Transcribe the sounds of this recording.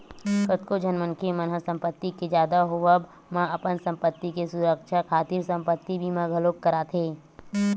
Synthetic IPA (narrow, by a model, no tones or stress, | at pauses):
kət̪kod͡ʒənmənkʰemənɦəsə̃mpət̪ːiked͡ʒjaːd̪aɦoʋəb | mãəpənsə̃mpət̪ːikesuɾəkʃakʰaːt̪iɾsə̃mpət̪ːibʱimãɡʱəloːkːəɾaːt̪ʰɦeː